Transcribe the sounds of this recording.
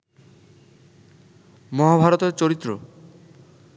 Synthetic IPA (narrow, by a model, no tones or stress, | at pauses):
mɔɦabʱaɾot̪eɾt͡ɕoɾit̪ːɾo̰